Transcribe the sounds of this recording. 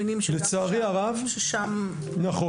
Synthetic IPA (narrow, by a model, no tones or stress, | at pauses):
nimʃlet͡saːʁiaʁavʃeʃam | naχo